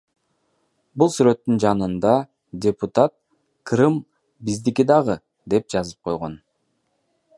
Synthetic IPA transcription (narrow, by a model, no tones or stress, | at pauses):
bulˠsyɾø̞t̪ːynd͡ʒɑnɯnd̪ɑ | dʲeput̪at̪̚ | krɨm | bizd̪ikid̪ɑʁɯ | d̪e̞p̚d͡ʒɑzɯp̚qʰo̞jʁo̞n